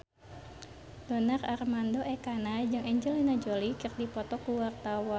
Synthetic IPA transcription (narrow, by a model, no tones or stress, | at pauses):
dɔnararmandoʔɛkanad͡ʒɨŋʔɛɲd͡ʒəlinad͡ʒolikɨrdipɔt̪ɔkuwart̪awa